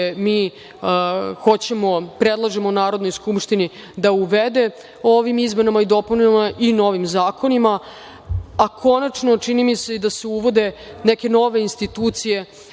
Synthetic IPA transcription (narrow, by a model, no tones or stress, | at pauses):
miː | xo̞t͡ɕe̞mo̞pɾed̪lˠaʒemonaːɾod̪no̞jskupʂt̪ini | d̪auʋed̪e̞ | o̞ʋimizme̞namaid̪o̞puniamaʔino̞ʋimzaːkʰo̞nima | akʰo̞nat͡ʂno̞t͡ʂinimise̞id̪aseuʋo̞d̪e̞neke̞no̞ʋe̞inst̪it̪uːt̪sije̞